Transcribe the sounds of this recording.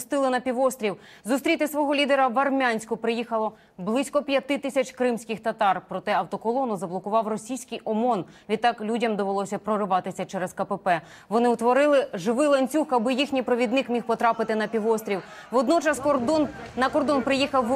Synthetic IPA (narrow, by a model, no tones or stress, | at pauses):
st̪ɪlˠɪnɐpʲiʋɔst̪ʲɾʲiwzʊst̪ɾʲit̪ɪsʋɔɦɔlʲid̪eɾɐʋɐrmʲanʲsʲkʊpɾɪjixɐlˠɔ | blˠɪsʲkɔpʲjɐt̪ɪt̪ɪsʲɐt͡ʃkɾɪmsʲkɪxt̪ɐt̪ɑrpɾɔt̪ɛɐwt̪ɔkɔlˠɔnʊzɐblˠɔkʊʋɑwrɔsʲijsʲkɪjɔmɔn | ʋʲid̪t̪ːɑklʲudʲɐmd̪ɔʋelˠɔsʲɐpɾɔɾɪʋɑt̪ɪsʲɐt͡ʃɛɾɛskɐpepɛ | ʋɔnɪwt̪ʋɔɾɪlˠɪʒɪʋɪlˠɐnʲt͡sʲuxɐbɪjixnʲijpɾɔʋʲid̪nɪkmʲixpɔt̪ɾɑpɪt̪ɪnɐpʲiʋɔst̪ʲɾʲiw | ʋɔd̪nɔt͡ʃɐskd̪ɔnnɐkɔrd̪ɔnpɾɪjixɐw